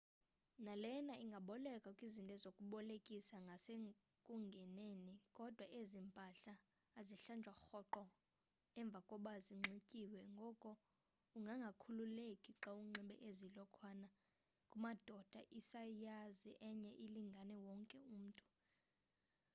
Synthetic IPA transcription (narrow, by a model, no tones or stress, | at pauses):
nalɛnaʔiŋɡʱaɓɔlɛkʼakʼizintʼwɛzokʼuɓɔlekʼisaŋɡʱase | kʼuŋɡʱɛnenikʼɔd̥ʱwaʔezimpʼaɬaː | ziɬand͡ʒʱwaxɔǃɔ | ɛɱb̪vʱakʼɔɓaziŋ͡ǁʱikʼiwɛŋɡʱɔkʼɔ | uŋɡʱaŋɡʱakʰululekʼiǁauŋ͡ǁiɓɛʔezilɔkʰwana | kʼumad̥ʱɔd̥ʱaʔisajaziʔɛɲɛʔiliŋɡʱanɛwɔŋkʼɛum̩ːtʼu̥